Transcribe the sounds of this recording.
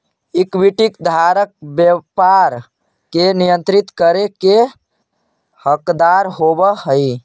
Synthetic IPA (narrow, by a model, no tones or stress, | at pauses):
ikbiʈikd̪ʱaɾək̚bjəpaɾ | kenijə̃nt̪ɾit̪kəɾeke | həkd̪aɾɦobəɦəj